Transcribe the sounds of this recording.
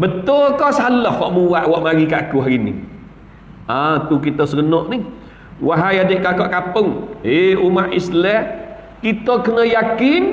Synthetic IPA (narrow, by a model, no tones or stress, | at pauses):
bət̪ʊlkɔsalɔhwɔ̰ʔmuwaʔwɔʔmaɾikaʔakuɦaɾinḭ | at̪uk̬it̪əsəɡənɔʔnih | waɦajadeʔkakɔʔkapəŋeumaʔislɛh | kit̪əkənəjakɪn